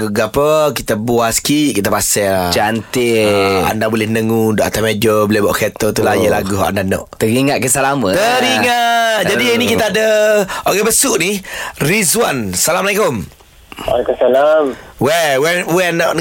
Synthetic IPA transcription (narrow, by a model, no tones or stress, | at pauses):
ɡuɡapəkit̪əbuasə̥kiʔkit̪əpasɛd͡ʒant̪ɪa̰ndabulɛhnəŋundɔʔat̪amed͡ʒobolɛbaʔket̪ot̪ulajəlaɡuɦɔ̰ʔa̰ndanɔ̰ʔt̪əɾiŋaʔ̚kəsalamət̪əɾiŋaʔd͡ʒadiinikit̪əadəoɣɛbəsʊʔnirizwansalamalikom | wa̰lekumsalamwɛwɛwɛnɔʔ